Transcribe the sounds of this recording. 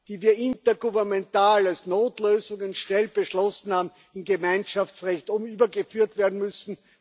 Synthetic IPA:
d̥iːviːɐʔɪntɐɡuvɛɐmɛntaːlalsnoːtløːzʊŋənʃnɛlb̥əʃlɔsn̩haːbm̩ | ɪmɡemæɪnʃaft͡sʁɛçtʊmyːbɐɡəfyːɐtv̥eːɐdn̩mʏsn̩

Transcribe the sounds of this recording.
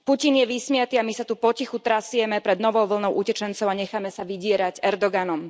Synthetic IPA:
pucinjɛʋismɪat̪iːamisat̪upɔcixut̪ɾasijɛmɛpɾɛd̪nɔʋɔʊʋl̩nɔʊʔucɛt͡ʃɛnt͡sɔʊaɲɛxamɛsaʋiɟɪɛɾaɟɛɾd̪ɔɡanɔm

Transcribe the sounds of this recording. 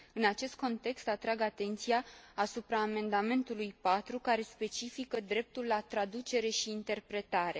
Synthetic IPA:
ɨnat͡ʃe̞st̪̚ko̞nt̪e̞kst̪at̪ɾaɡat̪e̞nt̪sijaːsupɾaːme̞nd̪ame̞nt̪ulujpat̪ɾukaɾe̞spe̞t͡ʃifikəd̪ɾe̞p̚t̪ulːat̪ɾad̪ut͡ʃe̞ɾe̞ʃiːnt̪e̞rpɾe̞t̪aɾe̞

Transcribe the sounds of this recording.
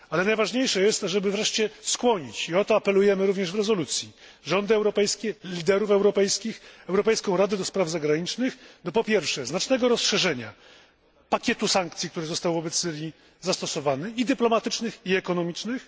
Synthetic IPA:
alɛnajvaʐɲejʂɛjɛst̪aʐɛbɘvɾɛʂt͡ɕɛskwɔɲit͡ɕiɔt̪ɔapɛlujɛmɘɾuvɲɛʐvɾɛzɔlut̪sʲji | ʐɔnd̪ɘɛwɾɔpɛjskʲɛlʲid̪ɛɾufɛwɾɔpɛjskʲixɛwɾɔpɛjskɔ̃w̃ɾad̪ɛd̪ɔspɾavzaɡɾaɲit͡ʂnɘxd̪ɔpɔpʲjɛɾfʂɛznat͡ʂnɛɡɔɾɔsʂɛʐɛɲa̰ | pakʲɛt̪usaŋkt̪sʲikt̪uɾɘzɔst̪awvɔbɛt̪sːɘɾʲji | zast̪ɔsɔvanɘid̪ɘplɔmat̪ɘt͡ʂnɘxiɛkɔnɔmʲit͡ʂnɘx

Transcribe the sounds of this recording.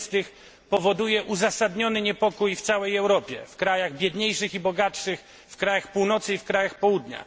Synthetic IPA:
st̪ɘx | pɔvɔd̪ujɛʔuzasad̪ɲɔnɘɲɛpɔkujft̪sawɛjɛwɾɔpʲjɛ̰fkɾajaɣbʲjɛd̪ɲejʂɘxibɔɡatʂɘx | fkɾajaxpuwnɔt̪sɘifkɾajaxpɔwud̪ɲa̰

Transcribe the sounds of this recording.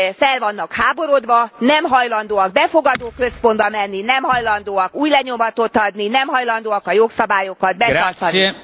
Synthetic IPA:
fɛlvɒnːɒkhaːbo̞ɾod̪ʋɒnɛmɦɒjlɒnd̪oːɒɡ̚bɛfoɡɒd̪oːkø̞spo̞nd̪bɒmɛnːinɛmɦɒjlɒnd̪oːɒkuːjlɛɲomɒt̪ot̪ɒd̪ninɛmɦɒjlɒnd̪oːɒkɒjoksɒbaːjokɒd̪̚bɛt̪ɒrt̪ɒni

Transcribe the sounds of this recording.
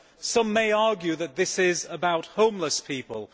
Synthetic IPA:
sʌ̃mːeɪɑːɡjʉðɨt̪̚ðɪsɪzəbaʊt̚hõʊ̃mləspʰiˑpəlˠ

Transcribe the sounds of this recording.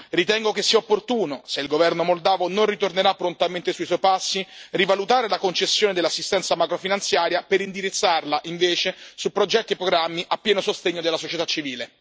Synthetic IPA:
rit̪ɛŋɡokesːiːaopːort̪uːnoseilɡovɛrnomold̪aːvononrit̪orneɾapːɾont̪ament̪esuiswɔjpasːirivalut̪aːɾelakont͡ʃesːjoːned̪elːasːist̪ɛnt̪samakɾofinant̪sjaːɾjapeɾind̪iɾit̪sːarlaʔiɱveːt͡ʃesupːɾod͡ʒɛt̪ːiepɾoɡɾamːiʔapːjɛːnosost̪eɲːod̪elasot͡ʃet̪at͡ʃːiviːle

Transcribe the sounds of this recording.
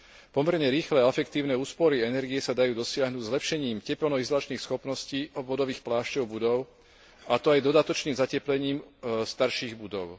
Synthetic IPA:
pɔmɛɾɲɛɾiːxlɛːɛfɛkt̪iːʊnɛːuːspɔɾiɛnɛɾɡijɛsad̪ajuːd̪ɔsɪaɦnuːɟzlɛpʃɛɲiːmcɛpɛlnɔizɔlat͡ʃniːxsxɔpnɔsciːɔʋɔd̪ɔʋiːxplaːʃcɔʊbud̪ɔʊ | at̪ɔajd̪ɔd̪at̪ɔt͡ʃniːmzacɛplɛɲiːmst̪aɾʃiːɣbud̪ɔʊ

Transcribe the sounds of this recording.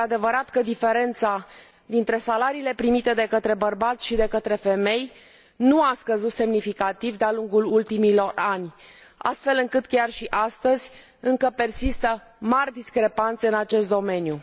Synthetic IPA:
ead̪e̞vəɾat̪kəd̪ife̞ɾe̞nt̪sa | d̪int̪ɾe̞salaɾiːle̞pɾimit̪e̞d̪e̞kət̪ɾe̞bərbat̪sʲʃid̪e̞kət̪ɾe̞fe̞me̞j | nuaskəzut̪se̞mnifikat̪ivd̪ealuŋɡulult̪imilo̞ranʲ | a̰st̪fe̞lɨŋkɨt̪kʲarʃiʔast̪əzʲ | ɨŋkəpe̞rsist̪ə | marʲd̪iskɾe̞pant̪se̞ɨnat͡ʃe̞st̪d̪o̞me̞nju

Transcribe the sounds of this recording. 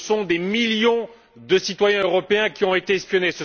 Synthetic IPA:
sɔ̃d̪emiljɔ̃ | d̪əsit̪wajɛ̃øʁɔpeɛ̃kʲiɔ̃et̪eɛspjɔnesə

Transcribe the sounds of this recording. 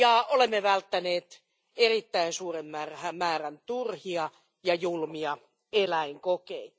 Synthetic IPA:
jɑolemːeʋælt̪ːæneːt̪ | erit̪ːæinsuːremːærhæmæːrænt̪urhiɑ | jɑjulmiɑ | elæiŋkokei

